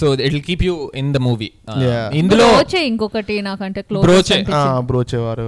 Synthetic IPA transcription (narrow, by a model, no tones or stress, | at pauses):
soːeʈlkiːpjuːɪ̃nd̪ɐmuːʋḭajaind̪looːt͡ʃeiŋkɔkɐʈinaːkɐɳʈeːkloːbɾoːt͡ʃeaːbɾoːt͡ʃeːʋaːɾu